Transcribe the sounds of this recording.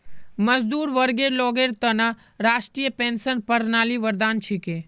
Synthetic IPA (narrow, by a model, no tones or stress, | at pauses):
mɐzd̪uːɾʋəɾɡeɾlɔːɡeːɾt̪ɐna | ɾaːʃʈɾijəpẽːnsənpɐɾnaːliʋəɾd̪aːnt͡ʃʰike